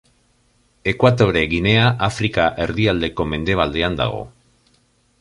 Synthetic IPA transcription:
e̞kwat̪o̞ɾeɣine̞aʔafɾikaʔe̞ɾðiald̪e̞ko̞me̞nd̪e̞β̞ald̪e̞and̪a̰ɣ̞o̞̰

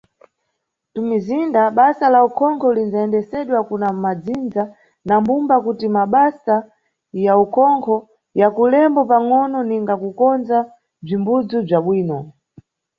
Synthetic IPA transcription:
tumizindaɓasalaukʰɔŋkʰɔlinzaɛndɛsɛɗwakunamad͡zind͡za | nambumbakutimaɓasa | jaukʰɔŋkʰɔ | jakulɛmbɔpaŋɔnɔniŋɡakukɔnd͡za | b͡ʐimbud͡zub͡ʐaɓwiːnɔ

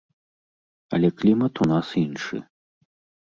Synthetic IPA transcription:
ɐ̰lʲɛklʲimɐt̪unasinʂɨ̰

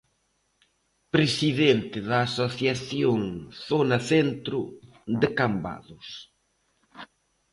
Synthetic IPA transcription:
pɾesiðent̪ɪðaːsoθjaθjoŋθonɐθent̪ɾʊ | d̪ɪkamba̰ðʊs

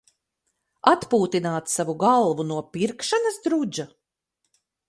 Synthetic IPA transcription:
at̪puːt̪inaːt̪savuɡalˠvunuɔpiɾkʃanɐsd̪ɾud͡ʒa

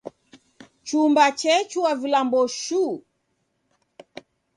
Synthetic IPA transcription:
t͡ʃumbat͡ʃɛt͡ʃuwavilambɔʃu

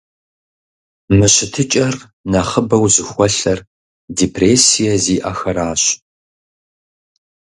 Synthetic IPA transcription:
mɨɕɪtʰɨt͡ʃʼɐr | nɐχəbɐwzɨxʷɔɬɐr | diːpʰreːsijɐziːʔɐxɐɾaːɕ

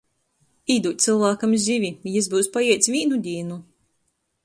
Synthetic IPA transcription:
iːd̪uːt̪sɨlˠvaːkamzʲivʲijizbuwspajɛt̪sʲvʲiːnud̪ʲiːnu

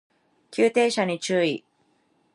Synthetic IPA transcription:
kʲɨːt̪e̞ːɕaɲ̟it͡ɕɨːi

